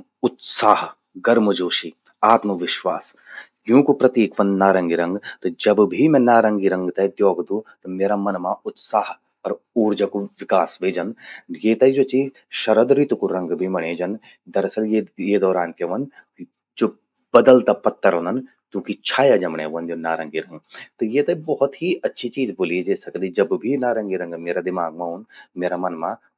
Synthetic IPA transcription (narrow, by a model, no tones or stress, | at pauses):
ʊt̪saːɦ | ɡɐɾmɐd͡ʒoːʃi | aːt̪mɐʋɪʃʋa̰ːs | jũːkupɾɐt̪iːkʋɐ̃nd̪naːɾɐŋɡiɾɐ̃ŋɡt̪ɐd͡ʒɐbbʱimɛ̃naːɾɐŋɡiɾɐ̃ŋɡt̪ɐd̪joːɡd̪ũt̪ɐmeːɾaːmɐnmãʊt̪saːɦ | ɔɾ | uːɾd͡ʒɐkuʋɪkaːsʋeːd͡ʒɐnjeːt̪ɐid͡ʒoːt͡ʃiː | ʃɐɾəd̪ɾit̪ukuɾɐ̃ŋɡbʱimɐɽ̃eːd͡ʒɐn | d̪ɐɾɐsɐljejed̪ɔːɾaːnkeʋɐnd̪ | d͡ʒoː | b̥ɐd̪əlt̪apɐt̪ːəɾɦõːnd̪ɐn | t̪ũːkit͡ʃʰaːjad͡ʒɐmɽḛːʋɐnd͡ʒjonaːɾɐ̃ŋɡiɾɐ̃ŋɡt̪ɐjeːt̪ɐibɐɦʊt̪ɦiɐtːʃʰit͡ʃiːzbʊlid͡ʒeːsɐkd̪id͡ʒɐbbʱinaːɾɐ̃ŋɡiɾɐ̃ŋɡmeːɾad̪ɪmaːɡ̚mãːɦunmeːɾamɐnmã